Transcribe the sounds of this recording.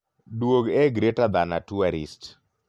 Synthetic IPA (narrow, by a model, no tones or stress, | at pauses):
dwoɡɛɡɾetad̪anatuaɾḭst